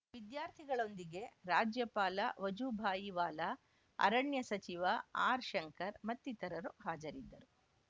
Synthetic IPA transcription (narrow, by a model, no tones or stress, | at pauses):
ʋid̪jaːɾt̪ʰiɡɐɭo̞nd̪iɡe̞ɾaːd͡ʒjɐpaːlɐʋɐd͡ʒubʱaːjiʋaːlɐ | ɐ̰ɾɐɳjɐsɐt͡ʃiʋɐaːɾʃɐŋkɐɾmɐt̪ːit̪ɐɾɐɾuɦaːd͡ʒɐɾid̪ːɐɾu